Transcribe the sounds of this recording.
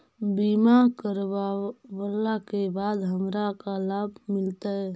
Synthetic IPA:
bimakəɾbabəlːakebad̪ɦəmɾakalabʱmɪlt̪aɛ

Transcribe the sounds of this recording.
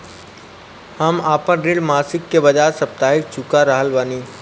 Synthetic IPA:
həmaːpə̃nɾɪɖmaːsɪkːebəd͡ʒaːɾsɐp̚t̪aːɦɪk̚t͡ʃʊkaɾəɦəlʋaːniː

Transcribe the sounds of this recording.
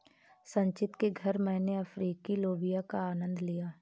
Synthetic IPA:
sə̃ɲt͡ʃɪt̪keɡʱɐɾmɛ̃ːneɐfʰɾiːkiloːbijakaaːnə̃nd̪lijaː

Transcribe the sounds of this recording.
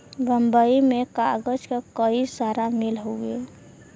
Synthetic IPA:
bəmbəimekaɡəd͡ʒkakəisaɾamilɦoɡe

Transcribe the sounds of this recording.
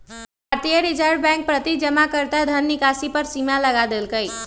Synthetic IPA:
bbʱaɾt̪ijəɾid͡ʒəɾɖbɛ̃ŋk̚pɾət̪id͡ʒəmakəɾt̪ad̪ʱənːikasipəɾsimaləɡad̪elkəj

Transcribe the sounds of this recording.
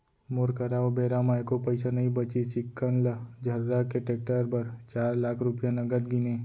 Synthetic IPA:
moɾkəɾaːobeːɾamaːjkopɐɪsanɐɦĩbɐt͡ʃisɪkːənlad͡ʒʱɐɾːakeʈeːk̚ʈəɾpɐɾt͡ʃaːɾlaːkʰɾʊpjanɐɡəd̪ɡɪneː

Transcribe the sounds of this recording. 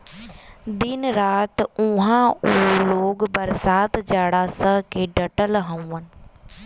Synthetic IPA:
d̪ɪnɾaːt̪ʊ̃ɦãuɦeloːɡbɐɾsaːt̪d͡ʑaːɽaːsəɦkʰeːɖɐʈəlɦɐ̃ũənɪ̆

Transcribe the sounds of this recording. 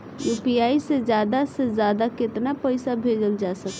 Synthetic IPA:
juːpiaised͡ʒjaːd̪ased͡ʒjad̪akɪt̪napəɪsabʱed͡ʒəld͡ʒasək

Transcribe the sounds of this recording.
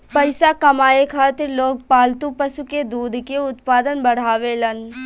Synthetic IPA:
pɐɪsakɐmaːekʰaːt̪ɪɾloːɡ̚paːlt̪ũpəʃuked̪uːd̪ʱkeʊt̪paːd̪ənbɐɽ̤aːʋelɐn

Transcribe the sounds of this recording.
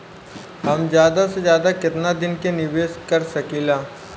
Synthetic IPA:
ɦɐmd͡ʒjaːd̪asezjaːd̪akɪt̪nad̪ɪnkenɪʋeːʃkɐɾsɐkilaː

